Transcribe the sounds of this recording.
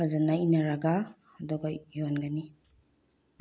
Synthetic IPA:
azanːainaɾaɡa | ɐdɔɡajɔnɡani

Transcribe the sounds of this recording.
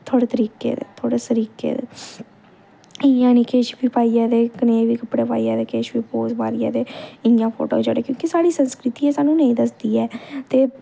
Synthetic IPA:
t̪ʰoːɽeːt̪əɾiːkḛːd̪ḛːt̪ʰoːɽeːsəɾiːkḛːd̪ḛ | ɪjãːnĩːkeːʃbiːpaːiːaːd̪eːkəneːʋiːkəpɽeːpa̰ːiːaːd̪eːkeːʃbiːpoːzbaːɾɪja̰ːd̪eːɪjãːpʰo̰ːʈo̰ːiːd͡ʒo̰ːɽeːkjõːkisaːɽiːsənskɾɪt̪iːɛːsaːnũːnẽĩːd̪əsd̪iːɛːt̪eː

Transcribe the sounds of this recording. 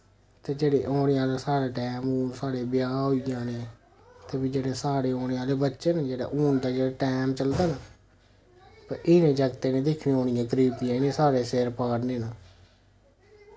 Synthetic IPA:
t̪eːd͡ʒeːɽeːʔoːnejãːleːsaːɽeːʈɛːmuːnsaːɽeːbɪjaːɦoːijãːneː | t̪eːbiːd͡ʒeːɽeːsaːɽeːoːneːaːleːbətːʃeːnad͡ʒeːɽa̰ːʔuːnd̪aːd͡ʒeːɽaːʈɛːmt͡ʃəld̪aːna | pəɾɪnẽːd͡ʒəɡt̪eːnẽːd̪ɪkʰnẽːɦoːnɪjãːkəɾiːbijãːnẽːsaːɽeːseːɾpaːɽneːna

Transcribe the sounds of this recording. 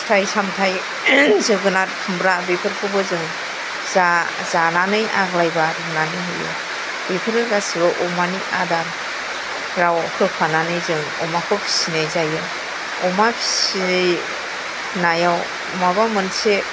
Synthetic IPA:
stʰajsamtʰaj | zɯɡɯnatkʰumbɾabipʰɯɾkʰɯbɯzɯŋ | za | zananɯjʔa̰ɡlajbaɾɯnanɯɦɯjɯ̰ | bepʰɯɾɯɡasibaʔɔmaniʔadan | ɾawkʰɯpʰananɯjzɯŋ | ɔ̰makʰɯpʰi̥sinajzajɯn | ɔmapʰi̥sin | najaw | mabamɯnse

